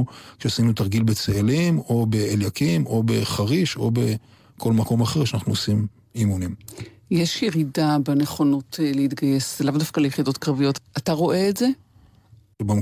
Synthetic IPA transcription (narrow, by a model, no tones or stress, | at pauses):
kʃeasinut̪aʁɡilbet͡sealimo̞be̞eljakimo̞be̞χaʁiʃo̞be̞ | kʰo̞lmako̞maχeʁʃanaχnuosim | imunim | jeʃjeʁidabeneχo̞notʰleit̪ɡaje̞selavdafkalejeχido̞tkʁavijo̞tʔataʁo̞ʔe̞ːtze̞ | bam